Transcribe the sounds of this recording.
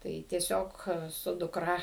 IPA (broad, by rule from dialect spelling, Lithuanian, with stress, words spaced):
ˈtɐɪ tʲiɛˈsʲoːk sʊ dʊkˈrɐ